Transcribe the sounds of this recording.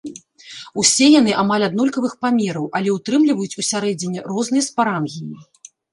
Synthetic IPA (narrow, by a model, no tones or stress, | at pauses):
usʲɛjanɨʔamalʲad̪nɔlʲkɐvɨxpamʲɛɾɐwʔɐlʲɛut̪ɾɨmlʲivɐjut͡sʲusʲaɾɛd͡zʲɪnʲːɛrɔznɨjɐspaɾamɣʲijḭ